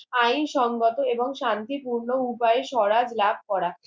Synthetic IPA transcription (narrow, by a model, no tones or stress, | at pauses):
ajnʃɔŋɡot̪oeboŋʃant̪ipuɾnoupaeʃɔɾad͡ʑlab̚ʱkɔɽa